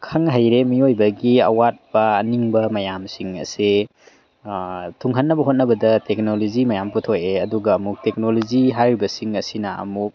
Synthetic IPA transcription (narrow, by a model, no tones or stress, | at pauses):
kʰɐŋɦajɾemiojbɐɡiɐ̰wat̚bɐːniŋbɐmɐjamsiŋɐ̰se | tʰuŋɦɐnːɐbɐɦot̚nɐbɐdɐtek̚nolozimɐjamputʰojeɐduɡɐːmuk̚tek̚nolod͡ʒiɦajɾibɐsiŋɐsinɐɐ̰muk̚